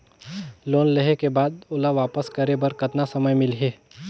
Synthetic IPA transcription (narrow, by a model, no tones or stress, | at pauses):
loːnleɦekebaːd̪ʊlaʋaːpəskɐɾebɐɾkɐt̪nasɐməjmɪlɦeː